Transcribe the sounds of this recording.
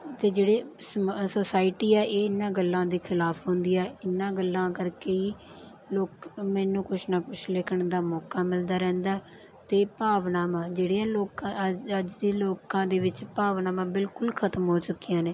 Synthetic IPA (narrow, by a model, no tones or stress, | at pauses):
t̪eːd͡ʒeːɽeːssoːsaːɪʈiːɛːʔeːɪnːãːɡəlːãːd̪iːkʰɪlaːpʰɦʊ̃ːnd̪iːɛːɪnːãːɡəlːãːkəɾkeːiː | loːkmɛːnũːkʊt͡ʃʰnaːkʊt͡ʃʰlɪkʰəɳd̪aːmɔːkaːmɪld̪aːɾɛ̃ːnd̪aː | t̪eːpaːʋnãːmãːd͡ʒeːɽeːãːloːkãəd͡ʒd̪iːloːkãːd̪eːʋɪt͡ʃpaːʋnaːmãːbɪlkʊlkʰət̪əmɦoːt͡ʃʊkːɪjãːneː